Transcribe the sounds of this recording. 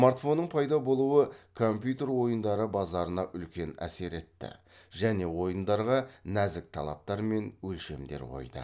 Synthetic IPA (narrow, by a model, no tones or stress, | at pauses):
maɾt̪fo̞nːəɴpʰɑjd̪ɑbo̞lˠuwəkʰo̞mpʲjut̪e̞rwo̞jənd̪ɑɾəbɑzɑɾənɑʔʏlkʲe̞næ̰se̞ɾe̞t̪ːɪ̰ | ʒæne̞wo̞jənd̪ɑɾʁɑnæzɪk̚t̪ʰɑlˠɑ̰p̚t̪ɑɾme̞nwɵlʃe̞md̪e̞̰ɾqʰo̞̰jd̪ə̰